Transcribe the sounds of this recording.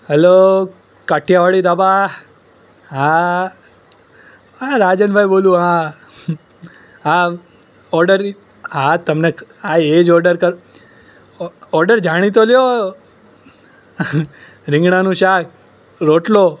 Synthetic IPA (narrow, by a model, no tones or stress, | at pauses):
ɦɛlo | kaʈʰjaʋaɭid̪aba | ɦã | ɦãɾaːd͡ʒənbʱajboːljũɦã | ã | ɔɾɖəɾ | ɦãt̪əmneãed͡ʒɔːɾɖəɾkəɾ | ɔɾɖəɾd͡ʒaɽ̃it̪̬oljo | ɾɪ̃ŋɡɳanũʃak̚ | ɾoːʈlo